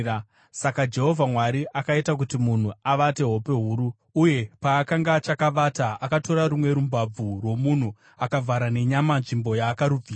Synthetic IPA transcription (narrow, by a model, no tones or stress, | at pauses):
sakad͡ʒe̞ɦo̞vʱamwaɾiʔakaitak̬utimun̤uaʋate̞ɦo̞pe̞ɦuːɾu | uje̞paːkaŋɡat͡ʃakaʋataakato̞ɾaɾumwe̞ɾumbab͡vurwo̞mun̤u | akavʱaɾane̞ɲamanʐimbo̞jaːkaɾub͡vʱiːa